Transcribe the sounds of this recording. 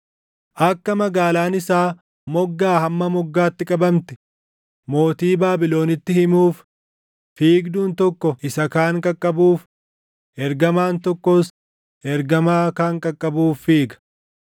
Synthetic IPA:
ʔɐkːɐmɐɡaːlaːnɪsaː | mɔɡːaːhɐmːɐmɔɡːaːt̪ːɪkʼɐbɐmt̪ɪ̥ | mo̞ːt̪iːbaːbɪlo̞ːnɪt̪ːɪhɪmuːf | fiːɡd̪uːnt̪ɔkːɔʔɪsɐkaːŋkʼɐkʼːɐbuːf | ʔɛɾɡɐmaːnt̪ɔkːɔs | ɛɾɡɐmaːkaːŋkʼɐkʼːɐbuːfːiːɡɐ̥

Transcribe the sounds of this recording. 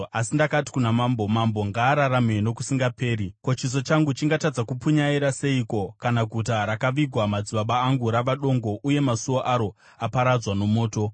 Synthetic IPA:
asindakati̥kunamaːmbomambo̞ŋɡaːɾaɾameno̞k̬usiŋɡape̞ːɾiko̞t͡ʃis̬o̞t͡ʃaŋɡut͡ʃiŋɡatad͡zakupuɲaiɾase̞iko̞kanaɡʱut̬aɾakaʋiɡʱwamad͡ziɓaɓaːŋɡuɾaʋaɗo̞ŋɡo̞ʔuje̞masuwoʔaɾo̞ | apaɾad͡zwano̞mo̞ːto̞

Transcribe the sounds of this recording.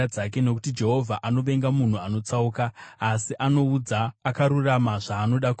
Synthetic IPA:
ad͡zak̬e̞no̞kutid͡ʒe̞ɦo̞vʱaʔano̞ʋe̞ŋɡamun̤uano̞t͡sauːkaːsiʔano̞ud͡zaːkaɾuramaʐaːno̞ɗaku

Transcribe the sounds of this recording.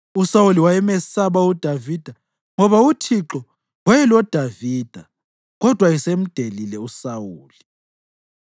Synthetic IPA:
usawuliwajɛmɛsaβaud̥ʱavid̥ʱa | ŋɔβautʰiǁɔ | wajɛlɔd̥ʱaviːd̥ʱa | ɣɔd̥ʱwaisem̩d̥ʱelilɛusawuːli

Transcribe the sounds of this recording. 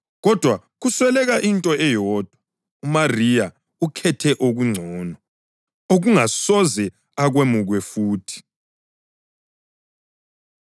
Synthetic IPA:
ɣɔd̥ʱwa | ɣuswɛlɛɣaʔintʼɔɛjɔːd̥ʱwa | umarija | ukʰɛtʰɛʔoɣuŋ͡ǀʱɔːnɔ | oɣuŋasɔzɛ | aɣwemuɣwɛfuːtʰi̥

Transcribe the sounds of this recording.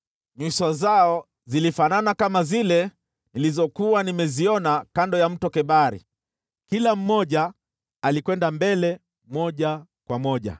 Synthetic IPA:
ɲwisazaɔ | zilifananakamazilɛ | nilizɔkuwanimɛziɔnakandɔjam̩tɔkɛɓaɾḭ | kilam̩mɔʄa | alikwɛndambɛlɛ | mɔʄakwamɔʄa̰

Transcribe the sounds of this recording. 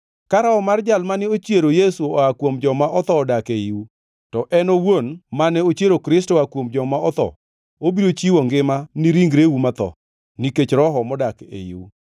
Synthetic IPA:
kaɾaɔmard͡ʒalmanɪot͡ʃjeɾojesuɔakwomd͡ʒɔmaʔɔt̪ɔːdakeiu | tɔʔɛnowonmanɛot͡ʃjeɾokɾɪstɔakwomd͡ʒɔmaɔt̪ɔ̰ | obiɾot͡ʃiwɔŋɡɪmanɪɾiŋɡɾewumat̪ɔ̰ | niket͡ʃɾɔɦɔmɔdakḛjḭu

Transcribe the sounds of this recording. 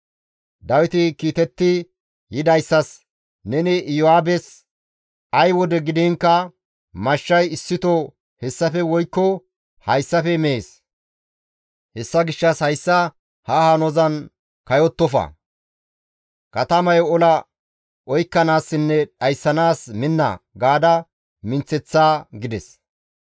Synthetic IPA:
d̪ɐwɪt̪ɪkiːt̪ɛt̪ːɪ | jɪd̪ɐjsːɐs | nɛnɪjɔaːbɛs | ɐjwɔd̪ɛɡɪd̪iːŋkːɐ | mɐʃːɐjɪsːɪt̪ɔ | hɛsːɐfɛwɔjkːɔ | hɐjsːɐfɛmeeːs | hɛsːɐɡɪʃːɐshɐjsːɐ | hɐhanɔzɐn | kɐjɔt̪ːɔfɐ̰ | kɐt̪ɐmɐjɔlɐ | ɔjkːɐnaːsːɪnːɛᶑɐjsːɐnaːsmɪnːɐ̰ɡaːd̪ɐ | mɪnt͡sːɛt͡sːaːɡɪd̪ɛs

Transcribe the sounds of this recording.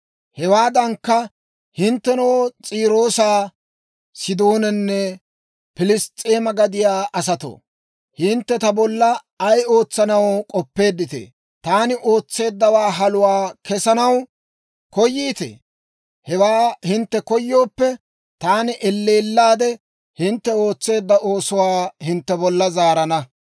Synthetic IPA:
hɛwaːd̪ɐŋkːɐ | hɪnt̪ːɛnowt͡sʼiːɾo̞ːsaː | sɪd̪o̞ːnɛnːɛ | pɪlɪst̪ʼːeːmɐɡɐd̪ɪjaːʔɐsɐt̪o̰ː | hɪnt̪ːɛt̪ɐbɔlːɐː | jo̞ːt͡sːɐnɐwkʼɔpːe̞ːd̪ːɪt̪ḛː | t̪aːnɪʔo̞ːt͡sːe̞ːd̪ːɐwaːɦɐlʊwaːkɛsɐnɐw | kɔjːiːt̪ḛ | hɛwaːhɪnt̪ːɛkɔjːo̞ːpːɛ | t̪aːnɪʔɛlːeːlːaːd̪ɛ | hɪnt̪ːɛo̞ːt͡sːe̞ːd̪ːɐʔo̞ːsʊwaːhɪnt̪ːɛbɔlːɐzaːɾɐnɐ

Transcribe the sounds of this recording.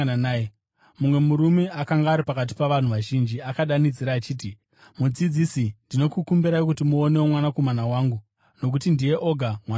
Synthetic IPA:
anːe | mumwe̞muɾume̞ʔakaŋɡaːɾipakat̬i̥paʋan̤uʋaʒind͡ʒiakaɗanid͡ziɾaːt͡ʃiːt̬i | mud͡zid͡zisindino̞kukumbiɾaikutimuo̞ne̞womwanako̞manawaːŋɡu | no̞k̬utindije̞ʔo̞ɡʱamwan

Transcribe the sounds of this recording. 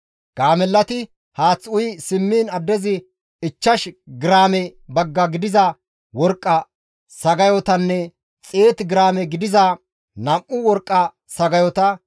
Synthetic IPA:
ɡ̥aːmɛlːɐt̪ɪ | haːt͡sːʊjsɪmːiːnɐd̪ːɛzɪ | ɪt͡ʃːɐʃɡɪɾaːmɛbɐɡːɐɡɪd̪ɪzɐ | wɔɾkʼːɐ | sɐɡɐjɔt̪ɐnːɛ | t͡sʼe̞ːt̪ɡɪɾaːmɛɡɪd̪ɪzɐ | nɐmʔʊwɔɾkʼːɐ | sɐɡɐjɔt̪ɐ

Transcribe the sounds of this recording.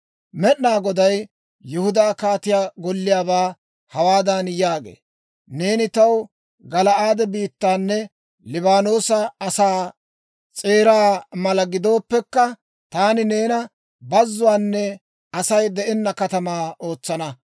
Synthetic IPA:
mɛɗnaːɡɔd̪ɐj | jʊhʊd̪aːkaːt̪ɪjaːɡɔlːɪjaːbaː | hɐwaːd̪ɐnjaːɡḛː | ne̞ːnɪt̪ɐw | ɡɐlɐaːd̪ɛbiːt̪ːaːnːɛ | lɪbaːno̞ːsɐɐsaː | t͡sʼe̞ːɾaːmɐlɐɡɪd̪o̞ːpːɛkːɐ | t̪aːnɪne̞ːnɐ | bɐzːʊwaːnːɛ | ɐsɐjd̪ɛʔɛnːɐkɐt̪ɐmaːʔo̞ːt͡sːɐnɐ

